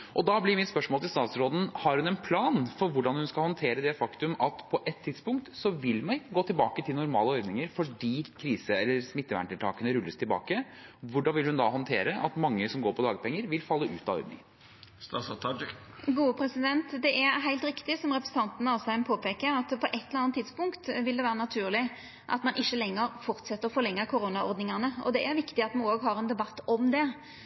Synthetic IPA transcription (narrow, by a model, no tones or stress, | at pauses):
ʔɔd̪ɑblɪɾmɪt̪spœʂmɔlɪlst̪ɑːt̪sɾoːd̪n̩hɑɾhʉnɛnpʰlɑːnfɔɾʋʊɖɑnhʉnskɑlhɔnt̪ʰeːɾəd̪ɛfɑkt̪ʉmɑt̪pʰɔʔɛt̪ʰːɪd̪spʊŋkt̪sɔʋɪlːmɛɡoːt̪ʰɪlbɑːkət̪ʰɪlnʊɾmɑ̰ːləɔɾd̪nɪŋəɾfɔɖiːkʰɾiːsəɛlːəɾsmɪt̪ːəʋæ̰ɳʈ̪ɪlt̪ɑːkənəɾʉlːəst̪ʰɪlbɑ̰ːkəʋʊɖɑnʋɪlhʉnd̪ɑɦɔnt̪ʰeːɾəʔɑt̪mɑŋːəsɔmɡoːɾpʰɔd̪ɑːɡəpʰɛŋːəɾʋɪlfɑlːəʔʉ̰ːt̪ɑɔ̰ʏdnɪ̰ŋən | st̪ɑsɑt̪ʰɑd͡ʒ | ɡuːəpʰɾɛsɪd̪ɛnt̪d̪ɛʔæɾɦæɪlt̪ɾɪkt̪ɪsɔmʁɛpɾəsən̩t̪ʰɑnt̪ənəɑsæɪmpʰoːpeːkəɾɑt̪pʰɔʔɛt̪ːləɾɑnt̪ʰːɪd̪spʊŋkt̪ʋɪld̪ɛʋæːɾənɑt̪ʰʉːʁlɪ | ʔɑ̰t̪mɑnʔɪçːəlɛŋːəɾfɔɾt̪sɛt̪ːəʁfɔʁlɛŋːəkʰʊɾonɑɔʁd̪nɪŋɑnəɔ̰d̪ɛʔæɾʋɪkt̪ɪɑt̪mɑnoːɡɦɑɾɛnd̪ɛbɑt̪ːɔmd̪ɛ